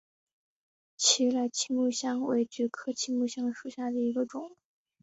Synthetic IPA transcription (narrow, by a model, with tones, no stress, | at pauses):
t͡ɕʰi˧˥la˧˥˩ɪt͡ɕʰi˥ŋmu˥˧ɕjɑ˥ŋwḛ˧˥ɪt͡ɕy˧˥kʰɤ˥t͡ɕʰi˥ŋmu˥˧ɕjɑ˥ŋʂu˨˩ɕja˥˩d̪ə˩i˧˥ɡə˧ʈ͡ʂʊ˨˩˦ŋ